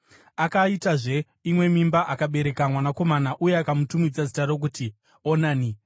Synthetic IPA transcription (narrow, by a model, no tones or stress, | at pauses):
akaitaʐe̞ | imwe̞mimbaʔakaɓe̞ɾe̞kamwanako̞manaʔuje̞akamutumid͡zazitaɾo̞k̬uti | onaːni